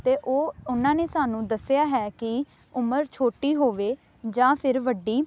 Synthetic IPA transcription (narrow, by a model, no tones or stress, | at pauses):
t̪eːʔoːʊnãːneːsaːnũːd̪əsːɪjaːɦɛːkɪ | ʊməɾt͡ʃʰoːʈiːɦoːʋeː | d͡ʒãːpʰɪɾʋəɖiː